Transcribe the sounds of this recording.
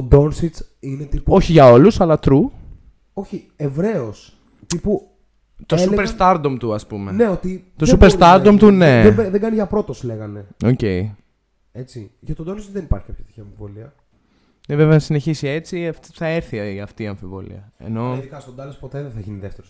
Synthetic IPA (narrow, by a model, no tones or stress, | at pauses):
od̪o̞nsit͡sinet̪ipuo̞çiʝɐo̞lusɐlɐt̪ɾu | o̞çi | evɾe̞os | t̪ipu | t̪osupeɾst̪ɐɾd̪omt̪uɐspumeneot̪it̪osupeɾst̪ɐɾd̪omt̪une̞ðeɡɐniʝɐpɾo̞t̪o̞sleɣɐne̞o̞ce̞i | e̞t͡siʝɐt̪od̪onsit͡s̪ðenipɐɾçikɐpçɐt̪içiɐɱfivo̞liɐ | neveveɐnɐsine̞çisie̞t͡siɐft̪θɐe̞ɾθiiɐft̪iːɐɱfivo̞̰lḭɐḛno̞ikɐst̪od̪ɐlɐspot̪eðeθɐʝiniðeft̪eɾo